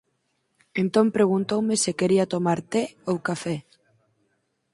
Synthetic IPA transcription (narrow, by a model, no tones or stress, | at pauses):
ent̪ompɾeɣ̞unt̪owmesekeɾiat̪omaɾt̪eowkafɛ